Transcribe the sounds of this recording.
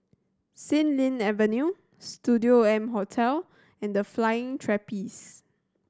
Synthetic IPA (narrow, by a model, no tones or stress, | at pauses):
sĩnlĩnɛvənju | studioɛ̃mɦotʰɛl | ɛ̃ndəflajɪ̃ŋtʰɹɛpis